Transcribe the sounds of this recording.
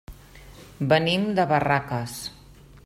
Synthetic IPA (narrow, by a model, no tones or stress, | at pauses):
bənimd̪əβarakəs